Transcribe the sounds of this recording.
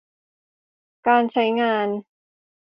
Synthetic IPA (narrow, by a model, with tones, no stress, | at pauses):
kaː˧nt͡ɕʰa˦˥jŋaː˧n